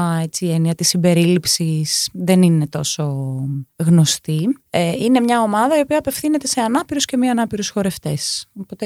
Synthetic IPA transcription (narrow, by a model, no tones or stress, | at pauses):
e̞t͡siːe̞niɐt̪isimbe̞ɾilipsisðe̞nine̞t̪o̞so̞ | ɣno̞st̪ieine̞mɲɐo̞mɐðɐio̞piɐːpe̞fθine̞t̪e̞se̞ɐnɐpiɾusce̞miɐnɐpiɾusxo̞ɾe̞ft̪e̞sopo̞t̪e